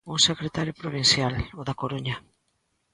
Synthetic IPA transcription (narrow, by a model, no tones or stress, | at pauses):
usekɾet̪aɾjopɾoβinsjaloðakoɾuɲa